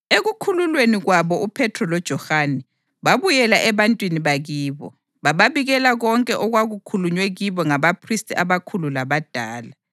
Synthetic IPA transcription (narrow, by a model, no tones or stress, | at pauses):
eɣukʰululweniɣwaβɔupʰɛtʰrɔlɔd̥ʒ̥ʱɔhanɛ | βaβujɛlaʔɛβantʼwiniβaɣiːβɔ̰ | βaβaβiɣɛlaɣɔŋkʼɛʔɔɣwaɣukʰuluɲwɛɣiβɔŋaβapʰristʼiaβakʰululaβad̥ʱaːla